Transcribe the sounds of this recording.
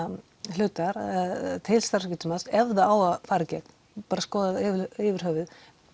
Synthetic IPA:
lʏːt̪aɾt̪ʰɪlst̪aɾ̥scʏːt̪ɪmasɛvðaaːwafaːɾɪcɛkn | paːɾaskɔːðaðɪɪvɪɾ̥ɦœːvɪð

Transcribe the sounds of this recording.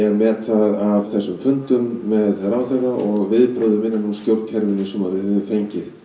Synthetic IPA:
ɛɾmɛt̪θaðavθɛsːʏmfʏnt̪ʏmːɛðɛɾawθerːaʔɔɣvɪðpɾɔðʏmɪnːanunscowɾcʰɛɾvɪnːɪsɛmva̰ɾɪɪʏfejɲcɪθ

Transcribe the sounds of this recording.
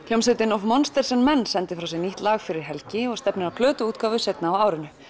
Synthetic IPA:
ljɔwmsɪt̪ɪnɔvmɔnst̪ɛɾ̥sɛmmɛnːsɛnt̪ɪfɾawsɛniht̪laːɣfɪɾɪɾ̥ɦɛlcɪɔɣst̪ɛpnɪɾawkʰlœːt̪ʏuːt̪kaːvʏsɛjt̪naːwaːwɾɪnʏ

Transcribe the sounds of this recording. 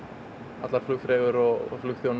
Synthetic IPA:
a̰t̪laɾ̥flʏxfɾeːɣʏɾɔɣɔ̰flʏxθjown

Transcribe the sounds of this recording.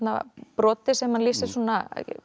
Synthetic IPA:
t̪na̰pɾɔːt̪ɪsɛmːanlisɪ̥suːnːa

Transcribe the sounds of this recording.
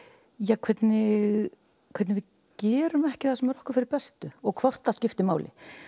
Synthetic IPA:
jakʰv̥ɛt̪nɪɣ | kʰɛt̪nɪvɪð | cɛːɾʏmɛhcɪ̥θasɛmɛɾɔhkʏ̥ɾfɪɾɪɾpɛst̪ʏɔɣkʰvɔr̥t̪θascɪft̪ɪmaːwlʔɪ̰

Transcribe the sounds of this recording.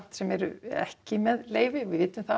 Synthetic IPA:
t̪sɛmɛɾʏ̰ɛ̰hcɪmɛðleːjvɪvɪðvɪt̪nʏmθa

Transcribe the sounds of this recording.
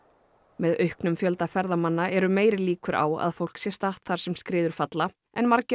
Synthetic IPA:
mɛðœɥhknʏmfjœlt̪afɛɾðamanːaʔɛɾʏmeːjɾɪliːkʏɾa̰ːwa̰ðfowl̥ksjɛst̪aht̪θaɾ̥sɛmskɾɪːðʏɾ̥fat̪la | ɛnmaɾcɪ

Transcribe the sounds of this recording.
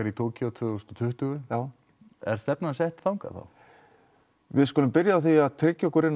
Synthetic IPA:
aɾit̪ʰoːwciawt̪ʰvʏɣʏst̪ɔ̥t̪ʰʏht̪ʏɣʏjaːw | ɛ̰ɾ̥st̪ɛpnasɛht̪fawŋka̰θa̰w | vɪðskɔːlʏmpɪɾjaːθiaðt̪ʰɾɪcːɔkʏɾɪn

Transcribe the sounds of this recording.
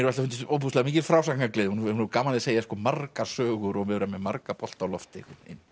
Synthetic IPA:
ɛɾalhʏnt̪ɪowpuslaðmiːcɪɾfɾaːwsakŋaklɪːðhunhunɛɾkaːmalɪseːjaskɔːmarkasœːɣʏɾɔmɛðɾamɛmaɾkapɔl̥t̪awlɔft̪ɪ̰hunɪ̰nː

